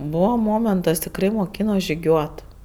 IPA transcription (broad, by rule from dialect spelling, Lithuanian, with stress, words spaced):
ˈbuːʋoː ˈmoːmʲɛntɐs tʲɪkˈrɐɪ moːˈkʲiːnoː ʒʲɪˈɡʲuɔt